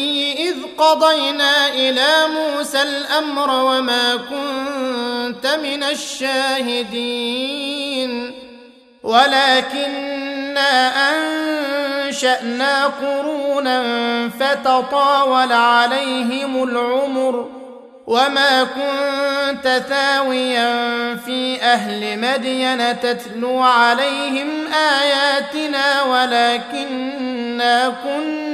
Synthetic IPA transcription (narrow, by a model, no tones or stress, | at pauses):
jːɪʔɪðqɑd̪ˤɑjnaːʔɪlaːmuːsalʔamɾwamaːkʊnnt̪amɪnaʃːaːhɪd̪iː | n | walaːkɪnːaːʔan | ʃaʔnaːqʊɾuːnanfat̪ɑt̪ˤɑːwɑlaʕalajɦɪmʊlʕʊmʊɾ | wamaːkʊnnt̪aθaːwɪjanfiːʔaɦlɪmad̪janat̪at̪luːʕalajhɪmʔaːjaːt̪ɪnaːwalaːkɪnː | aːkʊn